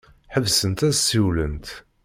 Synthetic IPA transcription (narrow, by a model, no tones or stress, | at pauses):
ħəvsənt̪æsiwlənt̪